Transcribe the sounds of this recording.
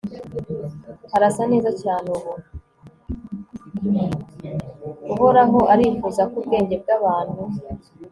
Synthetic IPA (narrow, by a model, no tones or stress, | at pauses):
haɾasane̞ːzacaːnuβo | uɦo̞ɾaɦo̞ʔaɾiːfuːzakub̚ɡe̞ːɲɟe̞b̚ɡaβaːnhu